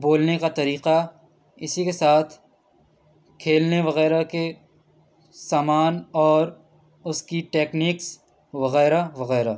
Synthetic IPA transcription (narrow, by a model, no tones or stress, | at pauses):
boːlnekat̪ɐɾiːqa | ɪsikesaːt̪ʰ | kʰeːlneʋɐɣɛːɾake | saːmaːnɔːɾ | ʊskiʈeːkniːks | ʋɐɣɛːɾaʋɐɣɛːɾa